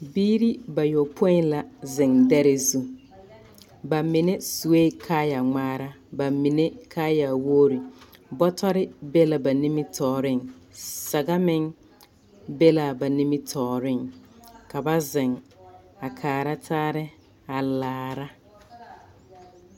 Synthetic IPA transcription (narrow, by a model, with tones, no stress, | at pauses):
biː˦ɾi˦ba˨jo˨pʰo˦i˦nla˨zɪ˨ŋdɛ˦ɾɪ˨zu˦ | ba˨mɪ˨ne˦su˨e˦kʰaː˦ja˨ŋ͡maː˦ɾa˦ | ba˨mi˨ne˦kʰaː˦ja˨woː˦ɾi˨bɔ˦tʰɔ˦ɾɪ˦be˦la˨ba˨ni˦mɪ˦tʰɔː˨ɾɪ˦˨ŋsa˨ɡa˦mɪ˦ŋ | be˦la˨ba˨ni˦mɪ˦tʰɔː˨ɾɪ˦˨ŋka˨ba˦zɪ˨ŋ | a˨kʰaː˨ɾa˦tʰaː˦ɾɪ˦ | a˨laː˨ɾa˦